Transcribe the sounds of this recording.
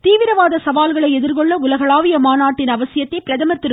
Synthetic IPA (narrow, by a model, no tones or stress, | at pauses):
t̪iːʋɪɾɐʋaːðɐsɐʋaːlɣɐɭɐɪɛðɪɾkɔɭːɐʊlɐɣɐɭaːʋɪjɐmaːnaːʈːɪnɐʋɐsɪjɐt̪ːɐɪpɪɾɐðɐmɐɾt̪ːɪɾɯ